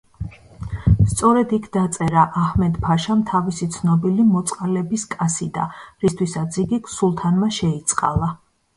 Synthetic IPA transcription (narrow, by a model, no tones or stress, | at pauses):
st̪sʼɔɾɛd̪ikʰd̪at̪sʼɛɾaʔahmɛd̪pʰaʃamt̪ʰavisit̪sʰnɔbilimɔt̪sʼqʼalɛbiskʼasid̪a̰ɾist̪ʰwisat̪sʰiɡikʰsulˠt̪ʰanmaʃɛit̪sʼqʼa̰lˠa